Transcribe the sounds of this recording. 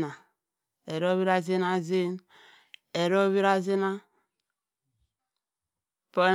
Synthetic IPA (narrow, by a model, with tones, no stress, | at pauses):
na˨ | e˨ɾo˦βi˦ɾa˦ze˦na˦ze˦n | e˨ɾo˦βi˦ɾa˦ze˦na˦ | po˦n